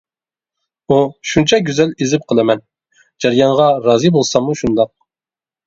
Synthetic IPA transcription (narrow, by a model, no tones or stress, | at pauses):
uʃunt͡ʃʰɑɡʲyzɛlizɪp̚qʰəlˠɨmɛn | d͡ʒɛɾjɑɴʁɑɾɑːzɨbolˠsɑmuʃund̪ɑq̚